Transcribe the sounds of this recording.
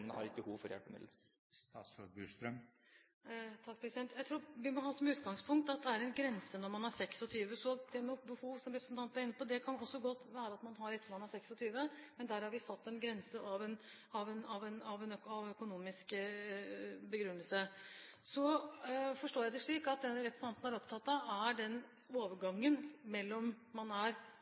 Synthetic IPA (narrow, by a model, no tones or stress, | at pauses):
ənəhɑ̰ɾɪkəbəhuːʋfɔɾjɛ̰lpəmɪ̰d̪l | sɔbʉst̪ɾœm | t̪ʰɑk̚ːpʰɾɛsɪd̪ɛnt̪jæɪt̪ʰɾuːɾʋɪmɔɦɑːsɔmʉːt̪ɡɑŋspʰʊŋk̚t̪ɑt̪̚d̪ɛæɾɛnɡɾɛnsənɔɾmɑnæɾsɛksɔt̪ʰyːʋəsɔd̪ɛmɛbəhuːʋsɔmɾɛpɾəsnt̪ʰɑnt̪̚b̪æɾɪnːəpɔd̪ɛkʰɑnɔsːɔɡɔt̪ːʋæːɾəɑt̪mɑnɦɑɾɛt̪ːəɾmɑnhæɾsɛksɔt̪ʰyːʋəmɛnd̪æːɾhɑɾʋɪsɑt̪ːɛnɡɾɛnsəʔɑʋɛn | ɑʋɛnɑʋɛnɑʋɛnɑʋœkʊnuːmɪsk | bəɡɾʉnːəlsə | sɔ | fɔʂʈoːjæɪd̪ɛʂɭiːkɑt̪̚d̪ɛnɾɛpɾəsn̩ɑnt̪n̩æɾɔpt̪ʰɑt̪ːɑæɖɛn | oːʋəɾɡɑŋːənmɛlːɔmmɑnæɾ